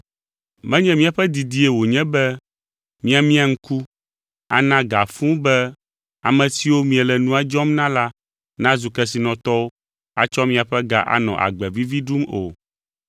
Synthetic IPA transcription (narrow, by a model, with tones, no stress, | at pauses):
mɛ̃˦ɲɛ̃˦mĩ˦a˨ɸɛ˦d̪i˨d̪i˦e˨wo˨ɲɛ̃˦bɛ˦ | mĩ˦a˨mĩ˦a˨ŋ̩˦ku˦ | a̰˨nã˦ɡa˨fũ˦bɛ˦ | a˨mɛ̃˨si˨wo˦mĩ˦ɛ˨lɛ˨nũ˦a˦d͡ʒɔ˦mnã˦la˦ | nã˦zu˨kɛ˦s̬i˨nɔ̃˨t̪ɔ˦wo˦ | a̰˦t͡ʃɔ˦mĩ˨˦a˨ɸɛ˦ɡa̰˨ʔa̰˨nɔ̰̃˨ʔa̰˨ɡ͡bɛ˨vi˦vi˦ɖu˦mo̰˨